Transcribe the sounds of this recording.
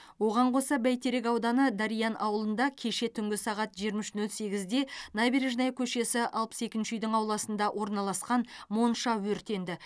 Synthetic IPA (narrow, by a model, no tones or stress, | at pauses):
wo̞ʁɑɴqʰo̞sɑbæjt̪ʰe̞ɾe̞kɑwd̪ɑnəd̪ɑɾijɑnʔɑwəlˠənd̪ɑkʲʰe̞ʃe̞t̪ʰʏŋɡʲɪsɑʁɑt̪ʒijɾmɪʃnɵlse̞ɡʲɪzd̪e̞nɑbiɾiʒnɑjkʲʰɵʃe̞sɪʔɑlˠpə̥se̞kʲɪnʃɪʏjd̪ɪŋɑwlˠɑsənd̪ɑwʔo̞ɾnɑlˠɑsqɑnmo̞nʃɑwɵɾt̪e̞nd̪ɪ